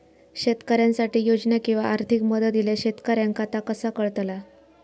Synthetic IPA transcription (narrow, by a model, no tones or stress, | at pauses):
ɕet̪kəɾjãnsaʈiːjod͡zɳakĩw̃ʋaʔaɾt̪ʰikməd̪ət̪ileɕet̪kaɾjaŋkat̪akəsakəɭt̪la